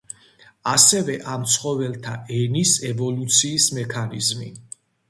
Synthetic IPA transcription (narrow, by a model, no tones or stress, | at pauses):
asɛvɛʔamt̪sʰχɔvɛlˠt̪ʰaɛnisɛvɔlut̪sʰiːsmɛkʰanizmḭ